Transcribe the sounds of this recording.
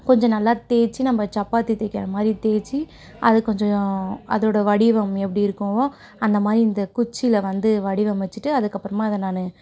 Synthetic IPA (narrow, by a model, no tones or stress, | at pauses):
kɔɲd͡ʒɔ̃nɐlːaːt̪eːɾt͡ʃːinɐmːɐt͡ʃɐpːaːt̪ːit̪eːkːɐɾɐmaːd̪ɾit̪eːɾt͡ʃːi | ʔɐðɯkːɔɲd͡ʒɔ̃ɐ̰ðɐoːɽɐʋɐɽɪʋɐmɛpːɐɽiɪɾɯkːʊ̃oː | ɐnd̪ɐmaːd̪ɾiɪnd̪ɐkʊt͡ʃːɪlɐʋɐnd̪ɯʋɐɽɪʋɐmʋɛt͡ʃːɯʈːɯɐðɯkːɐpːɯɾɐmaːɪðɐnaːnɯ